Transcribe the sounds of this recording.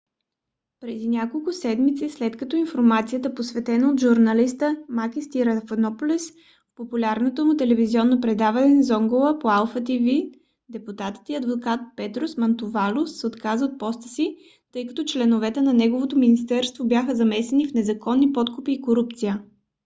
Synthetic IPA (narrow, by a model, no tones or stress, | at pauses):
pɾɛd̪inʲakolˠkʊsɛd̪mit̪sislɛt̪kɐt̪ɔinfoɾmat̪sijət̪əposvɛt̪ɛnəot̪ʒuɾnɐlist̪əmakist̪iɾɐfɐnɔpʊlis | fpopulʲaɾnot̪omʊt̪ɛlɛvizʲiɔnːopɾɛd̪avɐnɛnzɔŋɡolˠəpoalˠfət̪ivi | d̪ɛput̪at̪ə̥t̪iɐd̪vokat̪̚pɛt̪ɾosmɐnt̪ʊvalʊssot̪kazəot̪̚pɔst̪ə̥si | t̪ɤjkɐ̥t̪ɔt͡ʃlɛnʊvɛt̪ɛnɐnɛɡovot̪ominist̪ɛɾst̪vobjaxəzɐmɛsɛnifnɛzɐkɔnːipɔt̪kʊpiːkoɾup̚t̪sijə